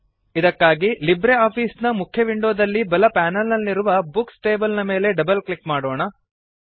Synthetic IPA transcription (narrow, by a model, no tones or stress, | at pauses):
id̪ɐkːaːɡilibɾeaːpʰiːsnɐmukʰjɐʋiɳɖoːd̪ɐlːibɐlɐpaːnɐlnɐlniɾuʋɐbuksʈe̞ːbɐlnɐme̞ːle̞ɖɐbɐlklikmaːɽoːɳɐ